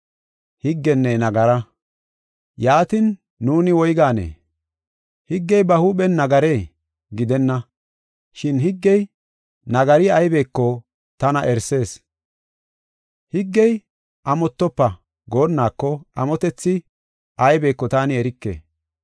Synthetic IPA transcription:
hɪɡːɛnːɛnɐɡɐɾɐ | jaːt̪ɪnː | uːnɪwɔjɡaːnḛː | hɪɡːɛjbɐhuːɓɛnːɐɡɐɾe̞ː | ɡɪd̪ɛnːɐ | ʃɪnhɪɡːɛj | nɐɡɐɾɪɐjbe̞ːkːɔ | t̪ɐnɐʔɛɾse̞ːs | hɪɡːɛj | ʔɐmɔt̪ːɔpːɐ | ɡo̞ːnːaːkːɔʔɐmɔt̪ɛt͡sːɪ | ʔɐjbe̞ːkːɔt̪aːnɪɛɾɪkːḛː

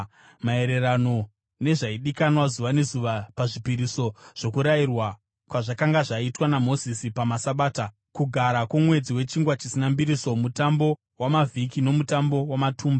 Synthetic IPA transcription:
mae̞ɾe̞rano̞ | ne̞ʐaiɗikanwazuʋane̞zuʋapaʐipiɾiso̞ʐ̥o̞kuɾairwa | kwaʐakaŋɡaʐaitwanamo̞zisipamasaɓaːta | kuɡʱaɾakomwe̞d͡ziwe̞t͡ʃiŋɡwat͡ʃisinambiɾiso̞mutambo̞ | wamavʱikino̞mutambo̞wamatʰuːmba

